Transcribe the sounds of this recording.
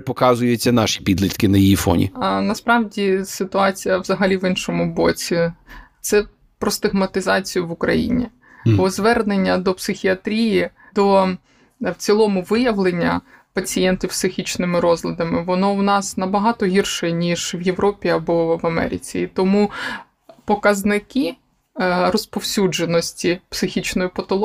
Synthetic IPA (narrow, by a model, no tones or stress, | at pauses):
pɔkɑzʊjet͡sʲːɐnɑʃi̥pʲid̪lʲit̪kɪnɐjijifɔ̰nʲḭnɐspɾɑʋdʲisɪt̪ʊɑt͡sʲijɐʋzɐɦɐlʲiʋɪnʃɔmʊbɔt͡sʲit̪sɛ | pɾɔst̪ɪɦmɐt̪ɪzɑt͡sʲijʊʋʊkɾɐ̰jḭnʲḭ | bɔzʋɛrnenʲːɐd̪ɔpsɪxʲiɐt̪ɾʲiji | d̪ɔ | wt͡sʲilˠɔmʊʋɪjɐʋlˠenʲːɐ̰ | pɐt͡sʲijɛnt̪ʲiwpsɪxʲit͡ʃnɪmɪɾɔzlʲɐd̪ɐmɪʋɔnɔwnɑsnɐbɐɦɑt̪ɔɦʲirʃɛnʲiʒʋjeʋɾɔpʲiɐbɔʋɐmɛ̰ɾʲɪ̰t͡sʲḭːt̪ɔmu | pɔkɐznɪki | rɔspɔwsʲud͡ʒenɔsʲtʲipsɪxʲit͡ʃnɔjʊpɐt̪ɔlˠ